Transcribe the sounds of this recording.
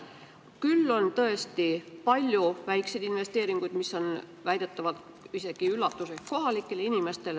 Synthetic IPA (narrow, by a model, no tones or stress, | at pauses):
kylːo̞nt̪ɤ̞e̞st̪ipɑlʲjuvæjkse̞jd̪inve̞st̪e̞ːɾiŋɡ̥ujd̪misːo̞nvæjd̪̥e̞t̪ːˑɑvɑlt̪ | ise̞ɡ̥iylːɑt̪ːˑuseko̞ɦɑlikːˑe̞leinime̞st̪e̞l